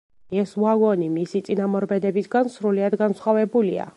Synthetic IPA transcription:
ɛsuaɡɔnimisit̪sʼinamɔɾbɛd̪ɛbisɡansɾuliad̪ɡansχwavɛbulia̰

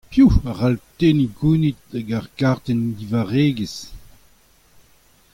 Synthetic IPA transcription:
pjuaʁalteːniɡunit̚aɡaʁɡaʁt̪ɛndivaʁeːɡəs

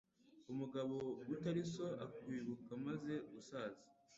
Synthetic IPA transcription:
umuɡaβo̞ɡutaɾisoʔakwiːβukamaze̞ɡusaːzi

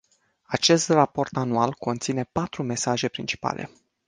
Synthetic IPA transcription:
at͡ʃe̞st̪rapo̞rt̪anualko̞nt̪sine̞pat̪ɾume̞saʒe̞pɾint͡ʃi̥pa̰lʔe̞̰

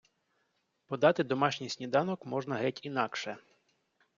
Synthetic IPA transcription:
pɔd̪ɑt̪ɪd̪ɔmɑʃnʲijsʲnʲid̪ɑnɔkmɔʒnɐɦɪtʲin̪ɑkʃɛ

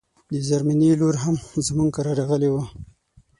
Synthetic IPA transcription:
d̪əd͡ʒaɾmaniloɾɦamzmuŋɡkaɾaɾaɣəlewa

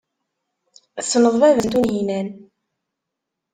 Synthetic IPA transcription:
sːnəðˤvævənt̪unɦinæn

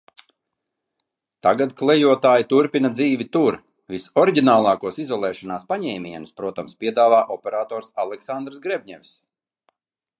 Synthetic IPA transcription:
t̪aɡat̪klˠɛjuɔt̪aːjit̪uɾpinad̪ziːvʲit̪uɾ | visɔɾiɟʲinaːlˠɑːkuɔsizɔlˠɛːʃɔnaːspaɲɛjmʲiɛnuspɾuɔt̪amspʲiɛd̪aːvaːʔɔpʲɛɾaːt̪ɔːɾsalˠɛksand̪ɾsɡɾɛbʲɲɛʋʲs

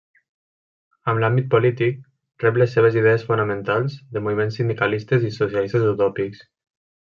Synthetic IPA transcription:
əmlambit̪̚polit̪ik̚ | rɛplesːeβ̞eziðɛəsfunəmẽnt̪alˠzðəmoβimensːind̪ikalist̪ezisosjalist̪ezəwt̪ɔpiks

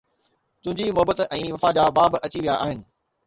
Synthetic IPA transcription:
t̪ʊ̃ɦɪ̃ɲd͡ʑimʊɦbət̪ɛ̃ːʋɐfaːd͡ʑabaːbʔɐt͡ɕiʋijaʔaːɦɪnɪ̆

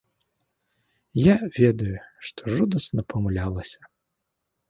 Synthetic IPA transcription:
javʲɛd̪ɐjuʂt̪ʰɔʐud̪ɐsnɐpʰɐmulʲalˠɐsʲɐ̥

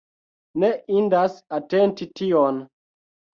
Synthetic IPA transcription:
neʔindasatentition

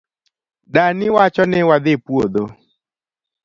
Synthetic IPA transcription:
danɪwat͡ʃɔnɛwad̪epwod̪o

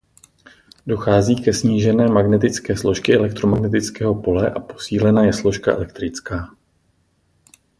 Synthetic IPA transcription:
do̞xaːziːkɛsɲiːʒɛnɛːmaɡnɛt̪ɪt͡skɛːslo̞ʃkɪʔɛlɛk̚t̪ɾomaɡnɛt̪ɪt͡skɛːɦo̞po̞lɛʔapo̞̥siːlɛnaːjɛslo̞ʃkaʔɛ̰lɛk̚t̪ɾɪt͡skaː

